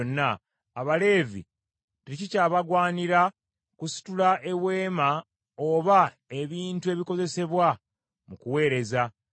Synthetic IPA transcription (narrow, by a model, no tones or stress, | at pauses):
nːaː | βale̞ːvḭ | teicicaːβaɡwaːniɾa | kusi̥tulaʔe̞βwe̞ːma | oβa | e̞βiːntue̞ːβiko̞ze̞se̞βwa | mukuwe̞ːɾe̞za